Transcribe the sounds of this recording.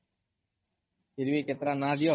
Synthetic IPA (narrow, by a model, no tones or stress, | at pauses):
pʰɪɾʋiːket̪ɾaːnaːd̪ɪjoː